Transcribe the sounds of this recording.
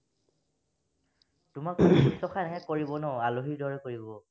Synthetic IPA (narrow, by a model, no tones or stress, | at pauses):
tʊmakɔbistɔxʰanaɦɛkoɹibɔnɔaloɦiɹdʱɔɹɛkoɹibɔ